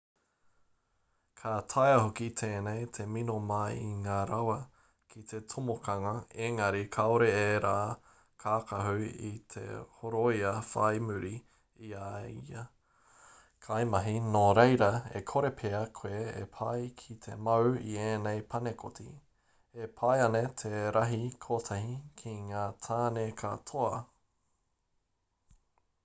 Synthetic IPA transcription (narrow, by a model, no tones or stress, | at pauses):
kʰat̪ʰajɐhokit̪ʰeːnejt̪ʰeminomɐiŋaːɾɐwɐ | kʰit̪ʰe̞t̪ʰomokʰɐŋɐeŋɐɾikʰaoɾeeɾaː | kʰaːkʰɐɦuit̪ʰḛhoɾojɐfa̰jmʉɾi | iaiɐ | kʰajmɐɦinoɾejɾɐḛkʰoɾepʰeɐkʰweːḛpʰajkʰit̪ʰemɐwienejpʰɐnekʰoti | epʰajɐnet̪ʰeɾɐɦikʰot̪ʰɐhikʰiŋaːt̪ʰaːnekʰɐ̰t̪ʰoɐ